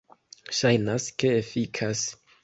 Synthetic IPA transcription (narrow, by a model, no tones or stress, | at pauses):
ʃajnaske̞efikʰas